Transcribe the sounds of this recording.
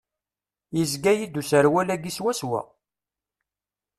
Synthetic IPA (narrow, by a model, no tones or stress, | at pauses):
jəzɡæjid̪usəɾwælæɡiswæswæ̰